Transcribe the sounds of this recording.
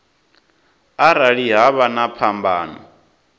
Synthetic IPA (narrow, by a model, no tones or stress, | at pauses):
aɾaɺiɦaβanapʰambaːnɔ̰